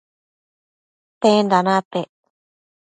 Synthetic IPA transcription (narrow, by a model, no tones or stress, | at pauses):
t̪ẽnd̪anãt̪e